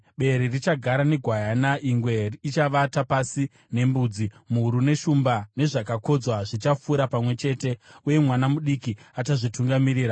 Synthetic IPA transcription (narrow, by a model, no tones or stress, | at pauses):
ɓe̞ɾirit͡ʃaɡʱaɾane̞ɡʱwajanaʔiŋɡwe̞rit͡ʃaʋatapasi | ne̞mbuːd͡zimuuɾune̞ʃumbane̞ʐakako̞d͡zwaʐit͡ʃafuɾapamwe̞t͡ʃe̞ːte̞uje̞mwanamuɗikiataʐituŋɡamiriːɾa